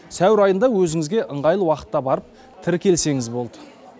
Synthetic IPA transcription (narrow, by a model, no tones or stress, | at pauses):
sæwɪɾɑjənd̪ɑwɵzɪŋɪzɡʲe̞ʔəɴʁɑjəlˠwɑqə̥t̪ːɑbɑɾəp̚ | t̪ʰɪɾkʲe̞lse̞ŋɪzbo̞lˠd̪ə